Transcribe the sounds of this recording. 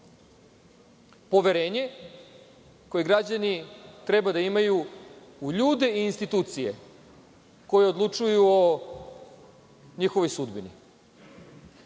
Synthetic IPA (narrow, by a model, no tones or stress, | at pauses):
po̞ʋeɾeːɲe̞ | kojeɡɾad͡ʑanit̪ɾe̞bad̪aimaju | uʎuːd̪e̞iːnst̪it̪uːt̪sije̞̰ | ko̞jeo̞d̪lˠut͡ʂujuo | ɲixo̞ʋojsud̪binḭ